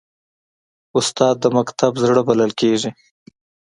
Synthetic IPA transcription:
ʊst̪ɑːd̪̚ːəmakt̪abzɽəbaləlkeʒi

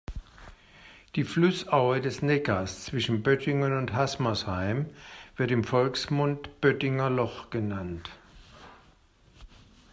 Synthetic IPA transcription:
d̥iːflʊsʔaʊədɛsnɛkɐst͡sv̥ɪʃn̩bœtʰɪŋɐnʊnthasmashaɪmv̥ɪɐtɪmfɔlksmʊntb̥œtɪŋɐlɔχɡ̥ənant

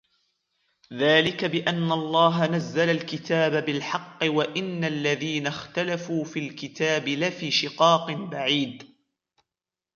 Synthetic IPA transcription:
ðaːlɪkabɪʔanːaʔlˤːɑːɦanazːalalkɪt̪ʰaːbabɪlħɑqːɨwaʔɪnːalːaðiːnaxt̪alafuːfiːlkɪt̪aːbɪlafiːʃɪqɑːqɨnbaʕiːd̪

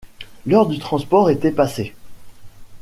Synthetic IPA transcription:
lœʁd̪yt̪χɑ̃spɔʁet̪ɛpase

